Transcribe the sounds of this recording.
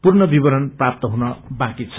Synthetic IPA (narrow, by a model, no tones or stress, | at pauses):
purnʌbibʌɾʌnprap̚t̪ʌɦunʌbãkit͡sʰʌ̥